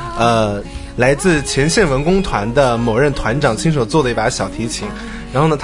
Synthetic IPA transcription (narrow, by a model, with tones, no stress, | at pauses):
ə˧ | la˧˥ɪt͡sɹ̩˥˩t͡ɕʰjɛ˧˥nɕjɛ˥˩nwə˧˥nkʊ˥ŋt̪ʰwa˧˥nd̪ə˧mo˧˨˩ɻə˥˩nt̪ʰwa˧˥nʈ͡ʂɑ˨˩ŋt͡ɕʰi˥ŋʂ̬o˨˩t͡swɔ˥˩d̪ə˩i˥˩pə˧˥ɕjɑ˨˩ʊt̪ʰi˧˥t͡ɕʰi˧˥ŋ | ɻa˧˥nxo˥˩ʊnə˩t̪ʰ